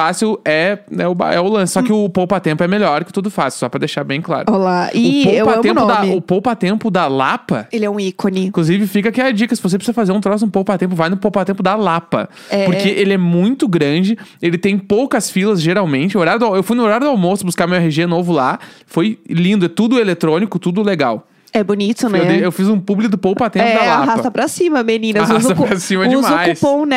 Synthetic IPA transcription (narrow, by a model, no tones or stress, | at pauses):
fasiwɛɛʊba̰ɛʊlɐ̃sɪ̥sɔkɪʊpowpat̪ẽmpʊɛmeʎɔɾkɪ̥t̪ud̪ʊfasɪwsɔpɾɐd̪ejʃaɾbẽj̃kla̰ɾʊolaiʊpowwat̪ẽmpʊ̃d̪aʊpowpʊat̪ẽmpʊd̪ɐlapɐelɪɛũikonĩkluzivɪfikɐakiɐd͡ʒikɐsɪvosepiszɐfazeɾũt̪ɾɔs̬ɪnʊpowpat̪ẽmp̬ʊvajnʊpowpat̪ẽpʊd̪ɐlapɐ̰ | ɛpoɾkeʔelɪɛmũj̃t̪ʊɡɾɐ̃d͡ʒɪelɪt̪ẽj̃powkɐsfilɐzʒeɾawmẽnt͡ʃɪoɾaɾʊd̪ʊawewfujnʊoɾaɾʊd̪ʊawmost̪ʊbuskaɾmiwɦeʒenovʊlafojlĩnd̪ʊɛt̪ud̪ʊelet̪ɾõnikʊt̪ud̪ʊleɡaw | ɛbonit̪ʊnewd̪eewfizũpublɪkʊd̪ʊpowpat̪ẽppɛd̪alaɦapɐsɐpɾɐsĩmɐmenĩnɐɦuzɐpɾasĩmɐd͡ʒɪumajuspõw̃nɛ